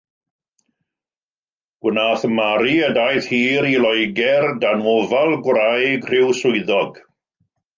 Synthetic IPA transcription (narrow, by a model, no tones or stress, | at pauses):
ɡ̥wənaːθəmaɾiədajθhiːɾilˠɔjɡɛrdanwɔvalˠɡwrajɡr̥ɪwsʊɨðɔɡ